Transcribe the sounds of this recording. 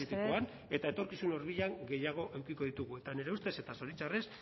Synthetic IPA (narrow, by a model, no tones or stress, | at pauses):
it̪ikuan | e̞t̪ae̞t̪o̞ɾkisuno̞ɾβiʎaŋɡe̞jaɣ̞o̞ʔe̞wkiko̞ðit̪uɣue̞t̪ane̞ɾe̞ust̪e̞se̞t̪aso̞ɾit͡sares